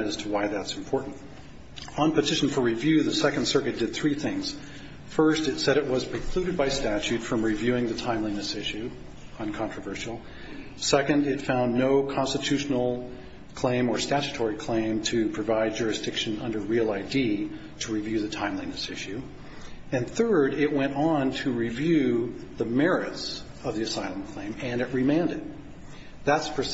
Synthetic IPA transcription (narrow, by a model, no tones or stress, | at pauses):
ɨz̥tʰəwaɪðætsm̩pʰɔɹʔn̩t | ə̃npɨtʰɪʃn̩fə˞ɹivjʉðɨsɛkn̩d̥sɜ˞kɨt̚d̥ɨd̪̚θɹiθɪ̃ŋz̥ | fɜ˞stɨtsɛɾɨʔ̚wʌz̥pʰɹ̥əkʰl̥ʉɾɨd̚baɪstæt͡ʃʉtfɹʌ̃mɹivjʉɪ̃ŋðɨtʰãɪ̃mlĩnɨsɪʃʉ | ə̃nkʰɑ̃nt͡ʃɹ̥əvɜ˞ʃl̩ˠ | sɛkɨ̃ndɪtfãʊ̃nːoʊkʰɑ̃nstɨtʰʉʃn̩l̩ˠ | kʰl̥ẽɪ̃mə˞stæt͡ʃɨ̥tʰɔɹikʰl̥ẽɪ̃mtʰɨpʰɹ̥ɨvaɪd̚d͡ʒʊɹɨsd̥ɪkʃɨ̃nʌ̃ndə˞ɹilˠaɪdi | ɾəɹivjʉðɨtʰãɪ̃mlĩnɨsɪʃʉ | ɨ̃nθɜ˞ɾɪʔ̚wɛ̃ñn̩tʰɨɹivjʉðəmɛɹɪts | ʌvðiɨsaɪlˠə̃m̩kʰl̥ẽɪ̃mɨ̃nɨʔ̚ɹimæ̃ndɨt̪̚ | ðætspʰə˞s